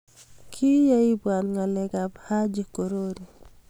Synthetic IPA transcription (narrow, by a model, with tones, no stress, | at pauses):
kʰi˦ja˦i˦bwa˨nŋa˨lɛ˨ɡa˨bha˦d͡ʒi˦ko˨ɾo˦ɾi˨